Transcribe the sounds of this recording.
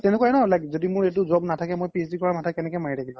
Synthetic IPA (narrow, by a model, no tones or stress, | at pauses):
tɛnʊkaɛnɔlaɡzodimʊɹet̬ʊzɔbnatʰakɛmojpesdikɔɹamatʰakɛnɛkɛmaiɾaɡilɔ̃